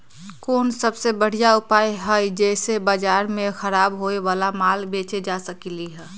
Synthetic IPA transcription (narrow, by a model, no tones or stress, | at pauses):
koːnsəbsebəɽ̤ijaʊpaːjɦəjd͡ʒɛɪsebəd͡ʒaːɾmẽxəɾaːbɦoeʋaːlamaːlbeːt͡ʃed͡ʒasəkiliɦɛː